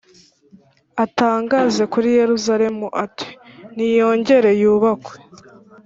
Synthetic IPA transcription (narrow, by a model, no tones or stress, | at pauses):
ataːŋɡaze̞kuɾije̞ɾuzaɾe̞muʔatʰi̥nijo̞ːɲɟe̞ɾe̞juːβakwe̞̥